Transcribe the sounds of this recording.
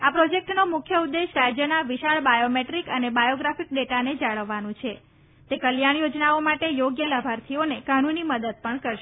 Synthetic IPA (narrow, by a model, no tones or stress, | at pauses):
apɾod͡ʒek̚ʈnomʊkʰjəud̪ːeʃɾad͡ʒjənaʋiʃaɭbajomeʈɾikənebajoɡɾafik̚ɖeʈaned͡ʒaɭəʋːanũt͡ʃʰe | t̪ekəljaɽ̃jod͡ʒnaomaʈejoɡjələbʱaɾt̪ʰionekanũniməd̪əd̪̚pəɳkəɾʃe